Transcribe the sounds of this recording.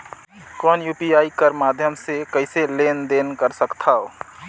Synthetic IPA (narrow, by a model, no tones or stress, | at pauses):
kɔːnjuːpiaːikəɾmaːd̪ʱjəmsekəɪseleːnd̪eːnkəɾsəkt̪ʰaːo